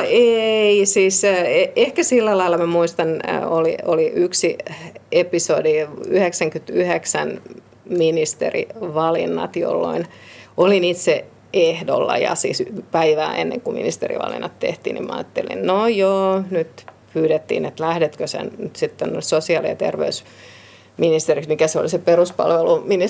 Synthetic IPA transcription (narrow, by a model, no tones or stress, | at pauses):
eisiːsːeehkæsilːælɑilːˑɑmæmuist̪ɑnolioliʔyksiepisodiyheksæŋkyt̪yheksæn | minist̪ḛrḭʋɑlinːɑ̰t̪jo̰lːo̰in | olinit̪se | ehdolːɑjɑsḭːspæiʋæ̰ːʔenːḛŋkumḭnist̪erḭʋɑ̰lḭnːɑt̪t̪ḛht̪ḭːnḭmɑɑ̰ːt̪ːelḭnnojoːnyt̪pyːɾet̪ːḭːnet̪læhɾet̪køsḛnnyt̪sit̪ːonnesosiɑliɑt̪erʋḛus | minist̪eriksmikæseo̰liseperuspɑ̰lʋelumini